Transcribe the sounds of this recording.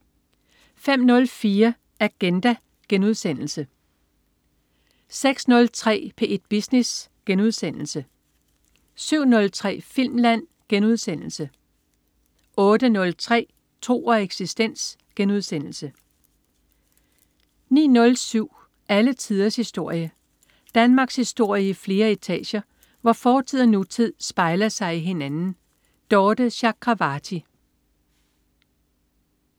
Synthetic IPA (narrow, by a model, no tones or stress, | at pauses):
fem̰nɔ̽lfiːɐ | æɡ̥end̥æ | ɡ̥enuð̞ˠsen̰l̩sə | seɡ̥snɔ̽lt͡sʰʁɛ̰ːpʰe̝ʔe̝d̥̚b̥isnesɡ̥enuð̞ˠsen̰l̩sə | syʊ̰nɔ̽lt͡sʰʁɛ̰ːfil̰mlæn̰ | ɡ̥enuð̞ˠsen̰l̩sə | ʔɔ̽ːd̥ənɔ̽lt͡sʰʁɛ̰ː | t͡sʰo̝̰ːɐeɡ̥sisd̥en̰s | ɡ̥enuð̞ˠsen̰l̩sə | nḭːnɔ̽lsyʊ̰ | ʔælət͡sʰið̞ˠɐshisd̥o̝ɐ̰jə | d̥ænmɑ̈ːɡ̥shisd̥o̝ɐ̰jəifle̝ːɐit͡sʰɛ̰ːɕɐ | ʋɑ̈fɒːt͡sʰið̰ˠɐnut͡sʰið̰ˠsb̥ɑ̈ɪlɐsɑ̈ɪiɦe̝nænn̩ | d̥ɒːd̥əɕɑ̈kʰʁɑ̈ʋɑt͡sʰi